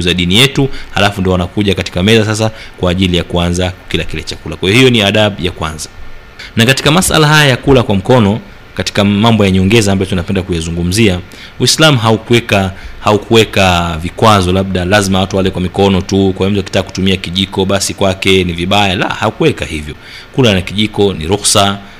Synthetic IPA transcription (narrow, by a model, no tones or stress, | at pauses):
uzaɗinijɛtuhalafundiɔanakuʄakati̥kamɛzas̬as̬akwaːʄilijakuanzakilakilɛt͡ʃakulakwaijɔhijɔniaɗaɓjakwa̰nza | nakati̥kamasʔa̰laɦajajakulakwam̩kɔnɔ | kati̥kamambɔjaɲɔŋɡɛzaːmbajɔtunapɛndakujazuŋɡum̩zia | wislamuɦaukuɛkahaukuwɛkavikwazɔlaɓ̚ɗalazimawatuwalɛkwamikɔnɔtukwawɛm̩tuwaki̥taːku̥tumiakiʄikɔɓasikwakɛniviɓajala̰haukuwɛkahivjɔ | kulanakiʄikɔniɾuxsa